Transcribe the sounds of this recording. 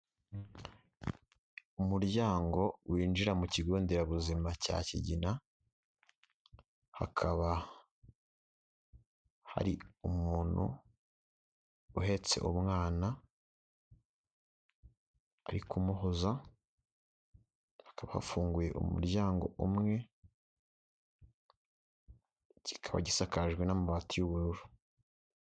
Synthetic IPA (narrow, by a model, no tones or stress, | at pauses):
umuɾɟaːŋɡo̞wʔiːnd͡ʒiɾamuciɡoːndeɾaβuzimaca̰ciɟina | ha̰kʰaβa | ha̰ɾiumuːnhṵ | uɦe̞t͡se̞̰ʔumŋaːna | aɾikumuɦoza | hakaβaha̰fuːŋɡuje̞ʔṵmṵɾɟaːŋɡo̞̰ʔumŋe̞ | ci̥kʰaβa̰ɟisakaʒɡwe̞namuβaːtijuβuɾuɾu